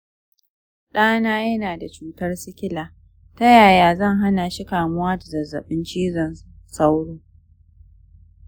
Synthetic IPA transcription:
ɗaː˦naː˦jɐ˦naː˨da˨t͡ʃuː˦tɐ˦rsɪ˦kʲɪ˦laː˨ | ta˦jaː˨jaː˨zɐ˦˨ŋɦa˦naː˨ʃi˦kaː˨mʊ˦waː˦da˨zɐ˨zːɐ̰˨ɓɪ˦nt͡ʃiː˦zɔ˨nsa˦wɽʊː˦

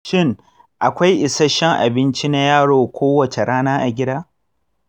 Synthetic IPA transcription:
ʃɪ˦ŋ | ʔa˨kʷa˦jʔɪ˨sɐ˦ʃɛ˦ŋʔa̰˨bɪ˦nt͡ʃi˦na˦jaː˦ɽoː˨kʷoː˦wɐ˨t͡ʃe˨ɽaː˦naː˦ʔa˨ɡʲɪ˦daː˦

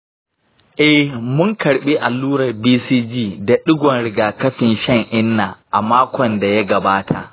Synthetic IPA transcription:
ʔɛ˦hmʊ˦ŋkɐ˨ɽɓi˦ʔa˨lːuː˦ɽɐ˨rbiː˦siː˦d͡ʒiː˦da˨ɗʊ˦ɡʷɔ˨nɽɪ˦ɡaː˨kɐ˦ɸɪ˨nʃɐ˦˨ŋʔɪ˦nːaː˨ʔa˨maː˦kʷɔ˨nda˨ja˦ɡɐ˨baː˦tʰa̰˨ʔ

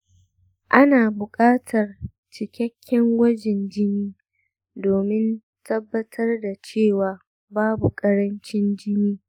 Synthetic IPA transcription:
ʔa˦naː˨bʊ˨kʼaː˦tʰɐ˨r | t͡ʃɪ˨kʲɛ˦kʲʰːɛ˦ŋwɐ˦d͡ʒɪ˨nd͡ʒɪ˦niː˦ | doː˨mɪ˦n | tʰɐ˦bːɐ˦tʰɐ˦rda˨t͡ʃeː˦˨waː˨ | baː˦bu˨kʼɐ˦ɽɐ˦nt͡ʃɪ˦nd͡ʒɪ˦niː˦

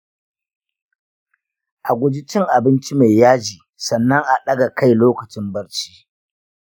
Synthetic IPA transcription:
ʔa˨ɡʷʊ˦d͡ʒɪ˦t͡ʃɪ˦ŋʔa˨bɪ˦nt͡ʃi˦ma˨jaː˦d͡ʒiː˨ | sɐ˨nːɐ˦ŋʔa˨ɗɐ˦ɡa˨ka˦˨jloː˦kɐ˨t͡ʃɪ˦mbɐ˦ɽt͡ʃi̥ː˦

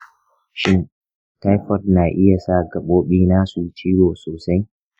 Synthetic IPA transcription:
ʃɪ˦n | ta˦jɸɔ˦rnaː˨ʔɪ˦ja˨saː˦˨ɡɐ˨ɓoː˦ɓiː˦naː˦su˨t͡ʃiː˦woː˨soː˨sa˦j

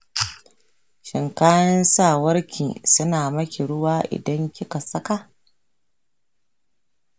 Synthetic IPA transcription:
ʃɪ˨ŋkaː˦jɐ˦nsaː˦˨wɐ˦ɾkʲʰḭː˨sʊ˦naː˨mɐ˦kʲi˨ɽʊ˦waː˦ʔɪ̰˨dɐ˦ŋkʲɪ˦ka˨sɐ˦ka˦

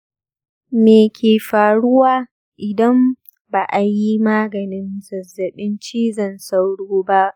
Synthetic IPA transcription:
meː˨kʲʰeː˨ɸaː˨ɽʊ˦waː˦ | ʔɪ˨dɐ˦m | baː˨ʔa˨ji˦maː˦ɡɐ˨nɪ˦nzɐ˨zːɐ˨ɓɪ˦nt͡ʃiː˦zɐ˦˨nsa˦wɽoː˦ba˦ʔ

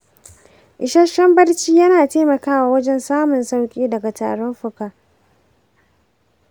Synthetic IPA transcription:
ʔɪ˨ʃɐ˦ʃɐ˦mbɐ˦rt͡ʃiː˦jɐ˦naː˨teː˦mɐ˨kaː˦waː˨wɐ˦d͡ʒɛ˦nsaː˦mʊ˨nsa˦wkʲʼiː˦dɐ˨ɡa˨ta̰ː˨ɽɔ˦mɸʊ˨kaː˨

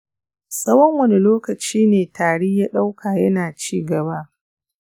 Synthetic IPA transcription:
sʼɐ˦wɔ˦ŋwɐ˦ni˦loː˦kɐ˨t͡ʃiː˦neː˨tʰaː˨ɽiː˦jaː˦ɗa˦wkʰaː˨jɐ˦naː˨t͡ʃiː˦ɡɐ˨baː˦

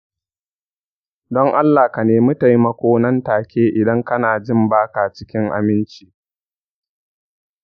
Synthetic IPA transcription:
dɔ˦ŋʔa˦lːaː˨ka˨neː˨mʊ˦ta˨jmɐ˨kʷoː˦nɐ˦ntaː˨kʲʰeː˦ʔɪ˨dɐ˦ŋkɐ˦naː˨d͡ʒɪ˦˨mbaː˦ka˨t͡ʃɪ̥˦kʲɪ˦ŋʔa̰˨mɪ˦nt͡ʃiː˨

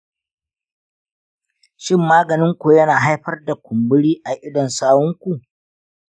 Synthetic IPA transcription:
ʃɪ˦˨mːaː˦ɡɐ˨nɪ˦ŋkʷu˨jɐ˦naː˨ɦa˦jɸɐ˦rda˨kʷʊ˨mbɪ˦ɽiː˦ʔa˨ʔɪ˦dɔ˨nsaː˦wɔ˦ŋkʷu˨ʔ

